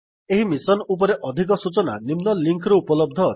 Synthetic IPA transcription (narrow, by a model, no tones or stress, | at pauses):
eɦimisɔnup̬ɔɾeʔɔd̪ʱik̬ɔsut͡ʃɔna̰nimnɔliŋkʰɾɔupɔlɔb̚d̪ʱɔ